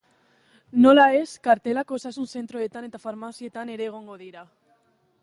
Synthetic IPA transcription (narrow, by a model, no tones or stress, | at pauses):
nolaeskaɾt̪elakosaesunθent̪ɾoðet̪anet̪afaɾmaθjet̪aneɾeɣ̞oŋɡoðiɾa